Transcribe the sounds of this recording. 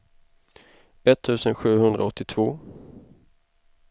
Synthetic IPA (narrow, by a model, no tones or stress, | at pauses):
ɛt̪ʰːʉ̟ːsənɧʉ̟ːhɵnd̪ɾa̰ɔt̪ʰːɪt̪ʰv̥oː